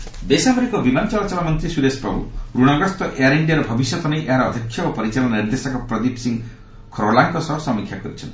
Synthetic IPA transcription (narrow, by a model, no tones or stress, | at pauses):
besabɔɾikɔbimanɔt͡ʃɔlat͡ʃabamɔnt̪ɾisuɾespabṵɾuɽ̃ɔɡɾɔst̪ɔʔejaɾiɳɖiaɾɔbʱɔbisjɔt̪ɔnejʔeɦaɾɔːd̪ʱjɔkʰːjɔɔpɔɾit͡ʃalɔnaniɾd̪esɔkɔpɾɔd̪ipsiŋ | kʰɾolaŋkɔsɔɦɔsɔmikʰjakɔɾit͡ʃʰɔnt̪